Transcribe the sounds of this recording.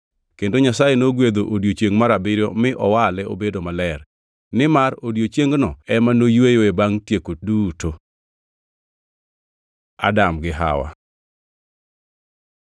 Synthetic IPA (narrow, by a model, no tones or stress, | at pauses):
kendoɲasajenoɡwed̪oʔodjot͡ʃjeŋɡmaɾabɪɾjɔmɪʔɔwalɛo̰bedomalɛr | nɪmaɾodjot͡ʃjeŋɡnɔɛmanojwejoebaŋtjekoduto | a̰damɡɪɦa̰wa̰